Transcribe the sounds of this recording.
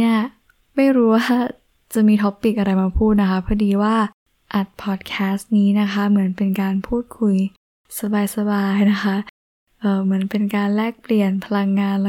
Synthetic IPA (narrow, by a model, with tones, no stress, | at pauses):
i˥˩ɐ | ma˥˩jɾuː˦˥waː˥˩ | t͡ɕa˨˩miː˧t̪ʰɔ˦˥pːi˨˩k̚ʔa˧ɾa˧jmaː˧pʰuː˥˩t̪̚na˦˥kʰa˦˥pʰɔː˦˥˩diː˧waː˥˩ | ʔa˨˩t̪̚pʰɔː˨˩t̪̚kʰɛː˦˥sniː˦˥na˦˥kʰa˦˥mɯ˩˦ənpe˧nkaː˧npʰuː˥˩t̪̚kʰu˧j | sa˧baː˧jsa˧baː˧jna˦˥kʰa˦˥ | ʔɤː˨˩mɯ˩˦ənpe˧nkaː˧nlɛː˥˩k̚pli˨˩ənpʰa˧la˧ŋːaː˧nl